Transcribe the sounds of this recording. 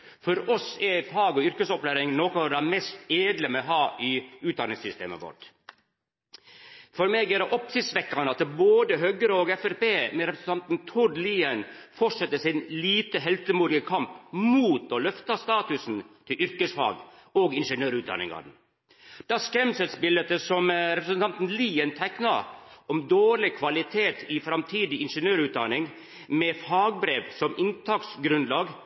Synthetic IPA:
fɔɾɔsɛfɑːɡɔʏɾkəsɔplæːɾɪŋnoːkɔɾæmɛst̪eːd̪ləmɛɦɑːʔɪʉːt̪̚d̪ɑnɪŋsʏst̪ḛːmə̰ʋɔ̰ʈ | fɔɾmeːɡɛɾɛʔɔpsɪsʋɛkːɑnəɑt̪ːboːd̪əɦœɡəɾəɔːɡɛfɛɾpeːmɛɾɛpɾəsən̩t̪ɑnt̪nt̪ʰʊɖliːənfɔʂɛt̪ːəsɪnliːt̪əɦɛlt̪əmuːd̪ɪɡəkʰɑmpmuːt̪olœft̪ɑst̪ɑːt̪ʉsnt̪ʰɪlʔʏɾkəsfɑ̰ːɡoːɡɪnʂənøːɾʉːt̪̚d̪ɑ̰nɪ̰ŋɑ̰ɾ | d̪̥ɑːskɾɛmsɛt̪spɪlːət̪əsɔmɾɛpɾəsənt̪ʰɑnt̪n̩liːənt̪ʰæknɑɔmd̪oːɾɭɪkʰʋɑlɪt̪ʰeːt̪ʰɪfɾɑmt̪ʰiːd̪ɪɪnʂənøːɾʉːt̪d̪ɑnɪŋ | mɛfɑːɡbɾeːʋsɔmɪnt̪ʰɑksɡɾʉnd̪lɑːɡ

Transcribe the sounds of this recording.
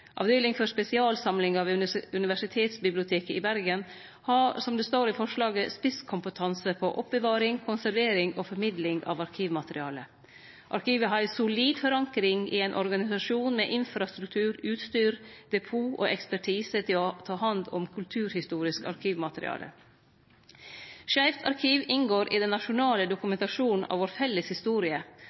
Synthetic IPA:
ʔɑ̰ːʋd̪œʏlɪŋfɔɾʂpɛsɪɑːlsɑmlɪŋɑːʋʉnɪʋæʂɪt̪ʰeːt̪sbɪblɪʊt̪ʰeːkəɪbæɾɡən | hɑsɔmd̪ɛst̪oːɾɪfɔʂlɑːɡəspɪskʰʊmpət̪ʰɑnsəpʰɔʔɔp̚bəʋɑːɾɪŋkʰʊnsæɾʋeːɾɪŋofɔɾmɪd̪lɪŋɑ̰ʋɑɾkʰiːʋmɑt̪əɾɪɑ̰ːlə | ʔɑɾkʰiːʋəɦɑɾsʊliːd̪fɔɾɑŋkɾɪŋḭeːnʔɔɾɡɑnɪsɑʃuːnmḛːʔɪnfɾɑst̪ɾʉk̚t̪ʰʉːɾʉːt̪st̪yːɾd̪̥ɛpʰuːʔo̰ːʔɛkspæʈʰiːsət̪ʰɪlɔt̪ʰɑːhɑnd̪ɔmkʰʉlt̪ʰʉːɾhɪst̪uːɾɪskɑ̰ɾkʰiːʋmɑt̪əɾɪ̰ɑ̰ːlə̰ | ʃæɪʋt̪ʰɑɾkʰiːʋɪŋɡoːɾʔḭːd̪ɛnːɑʃʊnɑːləd̪ʊkʉmɛnt̪ɑʃuːn̩ʔɑ̰ʋoːɾfɛlːəshɪst̪uːɾɪə

